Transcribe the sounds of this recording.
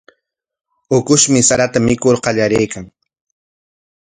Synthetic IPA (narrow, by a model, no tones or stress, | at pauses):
ʊkʊʃmɪsaɾat̪amɪkoɾqɑʎaɾejkaŋ